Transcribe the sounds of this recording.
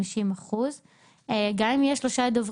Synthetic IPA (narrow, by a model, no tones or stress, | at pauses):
iʃimaχuz | eɡaimjeʃːloʃad̪ov